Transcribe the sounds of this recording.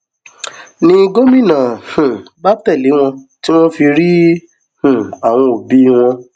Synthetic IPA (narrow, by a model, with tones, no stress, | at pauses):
nĩ˧ɡo˦mĩ˦˨nã˨hũ˨ba˦tɛ˦˨le˨˦w̃ɔ̃˧ti˦w̃ɔ̃˦fi˧ɾi˦ | h̩˨a˨w̃ɔ̃˧o˨bi˨˦w̃ɔ̃˧